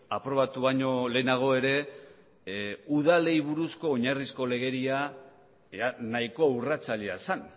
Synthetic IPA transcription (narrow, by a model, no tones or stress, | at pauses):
apɾo̞βat̪uβaɲo̞le̞naɣ̞o̞e̞ɾe̞ | uð̞ale̞jβ̞uɾusko̞ːɲarisko̞le̞ɣe̞ɾia | anaiko̞wrat͡saʎeasan